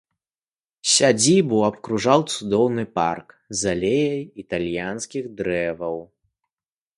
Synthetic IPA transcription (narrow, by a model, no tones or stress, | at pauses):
sʲad͡zʲibuɐpkɾuʐawt̪sud̪ɔwnɨpa̰rk | zalʲejɐjit̪alʲjanskʲiɣd̪ɾɛvɐw